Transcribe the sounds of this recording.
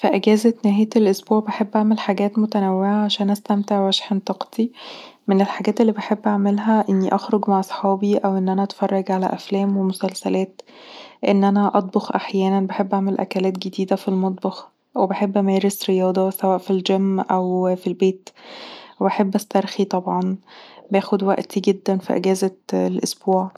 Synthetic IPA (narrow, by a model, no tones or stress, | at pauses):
fiʔæɡæːzænæhæjæt̪elʔosbuːʕbeħebːʔaʕmelħaɡæːt̪mot̪ænæwːeʕaʕaʃæːnʔæst̪æmt̪eʕwæʃħent̪ˤɑqt̪i | menelħaɡæːt̪elːiːbeħebːʔaʕmelɦæʔenːiʔɑxɾoɡmaʕʔɑsˤħɑːbiʔæwʔenːʔænæʔɑt̪fɑrˤːɑɡʕalæ̰ʔæflæːmwemosælsælæːt̪ | ʔenːʔænæʔɑt̪̚ˤbɑxʔaħjæːnænbeħebːʔaʕmelʔæ̰kælæːt̪ɡed̪iːd̪æfilmɑt̪̚ˤbɑx | webeħebːʔæmeːɾesɾejɑːd̪ˤɑsæwæːʔfild͡ʒæmːʔæwfilbeːt̪webaħebːʔæst̪ɑɾˤxit̪ˤɑbʕɑnbæːxod̪wæ̰ʔt̪iɡed̪ːænfḭʔḛɡæːzælʔosb̥uːʕ